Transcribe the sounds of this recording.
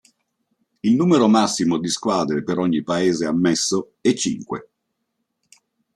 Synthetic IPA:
ilnuːmeɾomasːimod̪iskwaːd̪ɾepeɾɔɲːipaeːzeamːɛsːo | ɛt͡ʃːḭŋkwḛ

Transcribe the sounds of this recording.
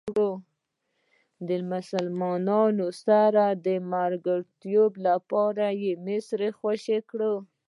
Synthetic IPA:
ɽo | d̪əmʊsalmɑnɑnosaɾad̪əmaɾɡaɽt̪joblapɑɾajemɪsɾexwaʃekɽə

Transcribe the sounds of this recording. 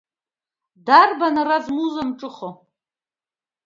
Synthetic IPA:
darbanarazmuzamʈ͡ʂʼɨχo

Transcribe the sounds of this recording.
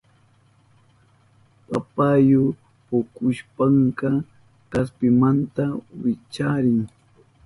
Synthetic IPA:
papajo | pokʊʃpɑɴkɑ | kaspɪmant̪awɪt͡ʃaɾɪŋ

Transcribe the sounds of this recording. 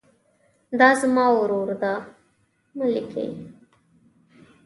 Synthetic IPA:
d̪ɑzmɑwɾoɾd̪a | məlikʰə̰j

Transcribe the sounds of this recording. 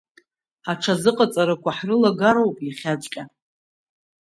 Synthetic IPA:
aʈ͡ʂʰazɨqʼat͡sʼaɾakʷʰaħrɨlaɡaɾowpʼjaχʲad͡ʒʷʼkʲʼa

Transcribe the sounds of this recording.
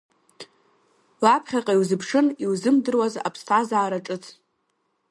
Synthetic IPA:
wapʰχʲaqʼaiwzɨpʰʂɨniwzɨmdɨrwaza̰pʰstʰʼazaːɾaʈ͡ʂʼɨt͡sʰʼ

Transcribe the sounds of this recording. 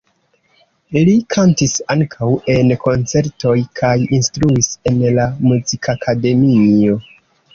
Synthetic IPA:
likʰantisaŋkʰawʔe̞nkʰo̞nt͡se̞ɾto̞jkʰajinstɾuise̞nlamuzikʰakʰade̞mio̞

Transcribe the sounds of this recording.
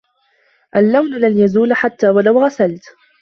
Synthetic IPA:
ʔalːawnlanjazuːlħat̪ːaːwalawɣasalt̪

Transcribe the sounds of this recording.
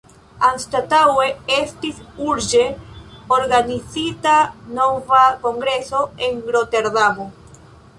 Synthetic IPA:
anstataweestisuɾd͡ʒe̞oɾɡanizitano̞vako̞ŋɡɾe̞so̞e̞ŋɡɾo̞te̞ɾdamo

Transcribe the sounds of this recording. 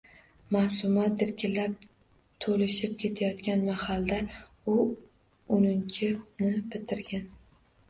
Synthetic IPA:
masʊmat̪̚d̪ɪɾkʲʰɪlap̚ | t̪ʰolɪʃɪp̚kʲʰe̞t̪ʰajɒt̪kʲʰanmahald̪a | ʊ | ʊnɪnt͡ʃʰɪnɪbɪt̪ʰɪɾɡʲan

